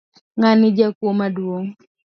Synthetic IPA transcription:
ŋanɪd͡ʒakwomadwoŋ

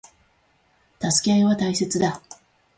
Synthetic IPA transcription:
t̪asɨ̥kʲeaiβat̪aise̞t͡sɨd̪a

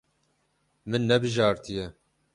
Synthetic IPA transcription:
mɨnːɛbɨʒɑːɾt̪ɨjɛ

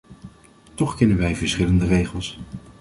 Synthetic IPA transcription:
tɔχkɛnənʋɛjvəɹsχɪləndərejχəlˠs

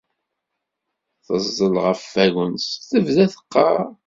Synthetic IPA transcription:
θəzˤːəlʁəfːæɣənsθəvðæθə̥qːɑɾ

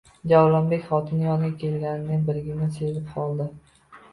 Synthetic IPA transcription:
d͡ʒawlambekʲχɒt̪ʰɪnjɒnʲakʲʰelɡʲanɪnɪbɪɾɡʲɪnɪsezɪp̚qʰɒlˠd̪ɪ

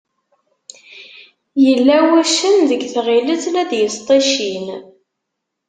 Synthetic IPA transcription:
jəlːæwæʃənðəɡθʁiləθlæd̪jəst̪ˤeʃin

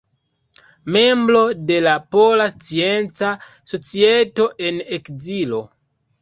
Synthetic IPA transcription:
me̞mbɾo̞de̞lapo̞last͡sie̞nt͡sa | so̞t͡sieto̞ʔe̞nekzilo̞

